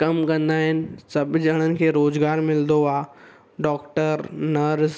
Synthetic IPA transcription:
kɐmkɐ̃nd̪aːɦɪnɪ̆sɐbd͡ʒɐɽ̃ənɪ̆kʰeːɾoːzɡaːɾmɪld̪oaː | ɖɔːkʈəɾnɐɾs

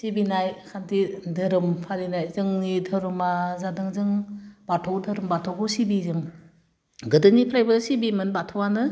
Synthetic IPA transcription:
sibinajkʰantʰidɯɾɯmpʰaɾinajzɯŋnitʰɯɾumazadɯŋzɯŋbatʰɔwtʰɯɾɯmbatʰɔwɡɯsibizɯŋ | ɡɯdɯnipʰɾajbɯsibimɯnbatʰɔwanɯ

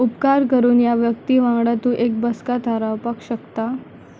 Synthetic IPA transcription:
upkaɾkəɾuːnjaʋjək̚t̪iːʋãŋɡɽat̪uːʔek̚bəskat̪ʰaɾawpakɕəkt̪a

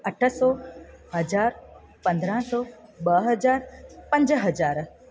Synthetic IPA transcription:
əʈʰəsɔɦəd͡ʒaːɾ | pə̃nd̪ɾãsɔːbəɦəd͡ʒaːɾpə̃ɲd͡ʒɦəd͡ʒaːɾ

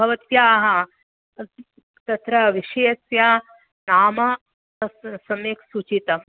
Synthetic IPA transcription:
bʱɐʋɐt̪jaːɦɐ | t̪ɐt̪ɾɐʋiʃejsja | naːmɐ | sɐmeːksut͡ʃit̪ɐ

